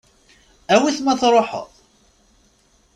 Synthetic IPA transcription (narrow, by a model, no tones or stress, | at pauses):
æwiθmæθɾˤoħə̰ðˤ